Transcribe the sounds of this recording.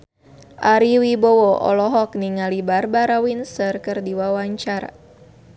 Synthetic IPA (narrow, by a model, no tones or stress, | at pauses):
ʔaɾiwibowɔʔɔ̰lɔɦɔk̚niŋalibarbaɾawinsərkɨrdiwawaɲt͡ʃaɾa̰